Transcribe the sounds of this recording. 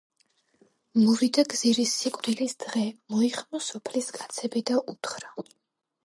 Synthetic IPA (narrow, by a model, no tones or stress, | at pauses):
mɔvid̪aɡziɾisikʼvɾilisd̪̥ʁɛmɔiχmɔsɔpʰliskʼat̪sʰɛbɛd̪aʔut̪χɾa